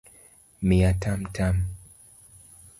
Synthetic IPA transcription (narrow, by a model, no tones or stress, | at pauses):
miatam̩tʰam